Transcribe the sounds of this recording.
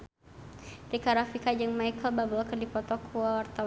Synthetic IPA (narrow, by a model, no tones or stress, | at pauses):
dikaɾafikad͡ʒɨŋmajkəlbabɔlkərdipɔt̪ɔkʰuawart̪a